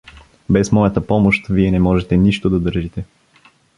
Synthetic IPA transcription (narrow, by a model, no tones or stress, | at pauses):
bɛsmɔjɐt̪əpɔmoʃt̪viɛnɛmɔʒɛt̪ɛniʃt̪od̪ɐd̪ɤɾʒit̪ɛ